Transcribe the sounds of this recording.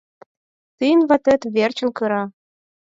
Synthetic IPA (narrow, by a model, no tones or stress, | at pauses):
t̪ɨjənβɑ̆t̪ɘ̆t̪βert͡ɕə̆nkɤɾɑ